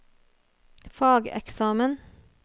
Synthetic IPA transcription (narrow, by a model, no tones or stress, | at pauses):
fɑːɡɛ̰ksɑːmən